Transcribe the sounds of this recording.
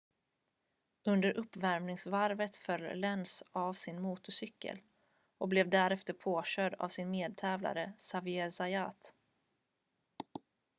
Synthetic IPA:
ɵnd̪əɾʔɵpːvæɾmnɪŋsvaɾvət̪fœlːlɛnsavsɪnmuːt̪ʊsʏkːə̰l | ɔk̚blɛvd̪æɾɛft̪əɾpʰoːɕœd̪a̰vsɪnmeːd̪̚t̪ʰɛːvla̰ɾəsavɪɛsajat̪

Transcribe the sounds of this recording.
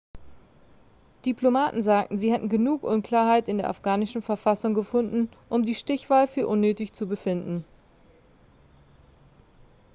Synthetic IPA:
d̥iplomaːtn̩zaːk̚tn̩ziːhɛtn̩ɡənuːkʔʊnkʰl̥aːɐɦaɪtɪndeːɐʔa̰fɡ̥aːnɪʃn̩fɛɐfasʊŋɡəfʊndn̩ʔʊmdiːʃtɪçv̥aːlfyːɐʔʊnːøːtɪçt͡subəfɪndn̩

